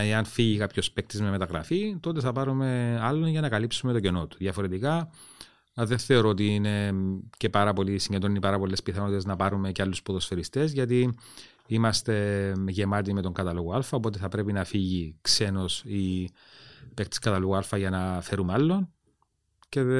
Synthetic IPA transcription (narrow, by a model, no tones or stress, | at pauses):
eɐnfiʝikɐpço̞spe̞k̚t̪izmeme̞t̪ɐɣɾɐ̰fit̪o̞t̪e̞θɐpɐɾume̞ɐlːonʝɐnɐkɐlipsume̞t̪oce̞no̞t̪u̥ðjɐfo̞ɾe̞t̪ikɐ | ðenθe̞o̞ɾo̞ot̪̬iine̞ce̞pɐɾɐpo̞lisiɲɟed̪ɾonipɐɾɐpo̞lːe̞spiθɐno̞t̪it̪eznɐpɐɾume̞cealːuspoðosfeɾist̪e̞zʝɐt̪i | imɐst̪e̞ʝe̞mɐt̪̬ime̞t̪o̞ŋɡɐt̪ɐlo̞ɣoɐlfɐo̞p̬o̞t̪̬e̞θɐpɾe̞pinɐfiʝikse̞no̞si | pekt̪i̥skɐt̪ɐloɣoɐlfɐʝɐnɐfe̞ɾumeɐlːo̞n | ce̞